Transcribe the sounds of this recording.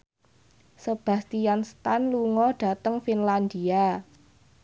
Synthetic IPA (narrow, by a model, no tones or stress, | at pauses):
səb̥a̤st̪ijanst̪anluŋɔɖ̥a̤t̪əŋfinland̪ia